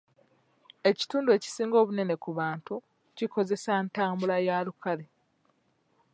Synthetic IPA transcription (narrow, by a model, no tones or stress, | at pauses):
e̞ci̥tuːndue̞ːci̥siːŋɡo̞ːβune̞ne̞kuβaːntu | ciko̞ze̞saentaːmbulajaːlukale